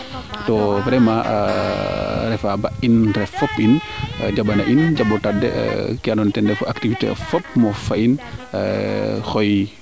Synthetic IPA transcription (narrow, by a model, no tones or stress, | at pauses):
tɔpɾɛma | ɾɛfabaʔindɾɛfɔpʔind͡ʒabanaʔind͡ʒabɔtadːɛ̰kɛnɔntɛndɛfuʔaktifitḛfɔp̚mɔfain | xɔj